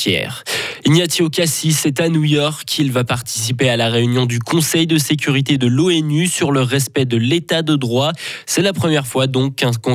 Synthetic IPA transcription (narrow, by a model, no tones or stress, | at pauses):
ɛ̰ʁinjat̪ʰiokasisɛt̪anujɔʁkilvapaʁt̪i̥sipealaʁeynjɔ̃d̪ykɔ̃sɛjd̪əsek̬ʲyʁit̪ed̪əloɛnysyʁləʁɛspɛd̪əlet̪ad̪əd̪ʁwasɛlapχəmjɛʁfwad̪ɔ̃kɛ̃kɔ̃